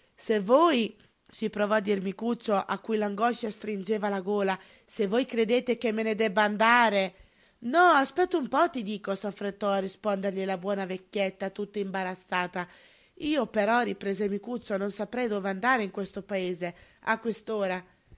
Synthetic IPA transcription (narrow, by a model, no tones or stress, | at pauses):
sevːoːj | sipɾɔvɔad̪ːiɾmikut̪sːoʔakːujlaŋɡɔʃːast̪ɾind͡ʒeːvalaɡoːla | sevːojkɾed̪eːt̪ekemːened̪ɛbːaand̪aːɾe | nɔaspɛt̪ːumpɔt̪ːid̪iːkɔsafɾet̪ːɔarːispɔnd̪eɾʎilabwɔːnavekʲːjɛt̪ːat̪ut̪ːaimbaɾat̪sːaːt̪a | iːopɛɾɔripɾɛːzemikut̪sːononsapɾɛjd̪ɔveand̪aːɾeiŋkwest̪opaeːzea̰kːwest̪oːɾa